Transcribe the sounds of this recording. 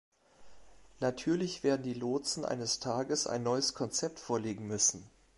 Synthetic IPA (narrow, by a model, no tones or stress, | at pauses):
natʰyːɐlɪçv̥eːɐdn̩diːloːt͡sn̩ʔa̰ɪnəstʰaːɡəsʔa̰ɪnːɔʏəskʰɔnt͡sɛp̚tfoːɐleːɡŋ̩mʏsn̩